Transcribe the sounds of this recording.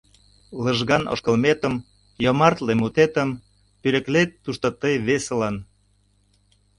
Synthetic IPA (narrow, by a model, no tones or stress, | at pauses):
lə̆ʒɣɑnʔo̰ʃkə̆lmet̪ə̆m | jomɑrt̪lemut̪et̪ə̆m | pyɾə̆klet̪ːuʃt̪ot̪əjβeselɑn